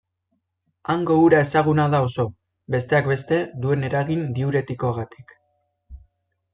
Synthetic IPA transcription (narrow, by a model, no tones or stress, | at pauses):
aŋɡo̞uɾae̞saɣ̞unaðao̞so̞ | be̞st̪e̞akbe̞st̪e̞d̪ue̞ne̞ɾaɣind̪iuɾe̞t̪iko̞aɣ̞at̪i̥k